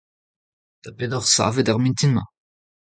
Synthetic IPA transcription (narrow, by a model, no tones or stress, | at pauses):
d̪̥apedɔʁsa̰ːvedaʁmĩnt̪inmɑ̰̃